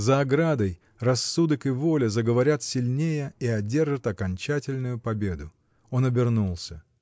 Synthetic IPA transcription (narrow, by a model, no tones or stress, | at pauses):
zɐːɡɾad̪əj | rɐsːud̪əkɪvo̞lʲɪzəɡəvɐɾʲat̪sʲɪlʲnʲejəiɐdʲe̞rʐɨt̪ɐkɐnʲt͡ɕætʲɪlʲnʊjʊpɐbʲe̞d̪ʊ | o̞nɐbʲɪrnulˠsʲə